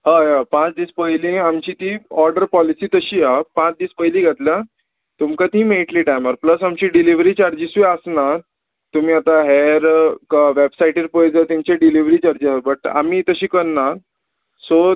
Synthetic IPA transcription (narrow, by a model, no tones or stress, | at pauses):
ɦajapãt͡sd̪iːspəjlĩamt͡ɕiːt̪iɔɾɖəɾpɔlisiːt̪əɕiːapãt͡sd̪iːspəjlĩɡʱat̪ljã | t̪umkat̪ĩːmeʈliːʈajmaɾpləsamt͡ɕiːɖiliʋɾiːt͡ɕaɾd͡ʑisʋiəsnaɾ | t̪um̤iːat̪aɦɛɾkʋebsaiʈiɾpojd͡zat̪imt͡ɕẽɖiliʋɾiːt͡ɕaɾd͡ʑiabəʈa̰miːt̪əɕĩːkəɾnaɾ | so